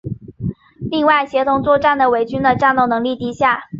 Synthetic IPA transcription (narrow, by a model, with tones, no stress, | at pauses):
li˥˧ŋwa˥˩ɪɕjɛ˧˥t̪ʰʊ˧˥ŋt͡swɔ˥˧ʈ͡ʂa˥˩nd̪ə˩we˨˩ɪt͡ɕy˥nd̪ə˨ʈ͡ʂa˥˧nt̪o˥˩ʊnɤ˧˥ŋli˥˩t̪i˧˥ɕja˥˩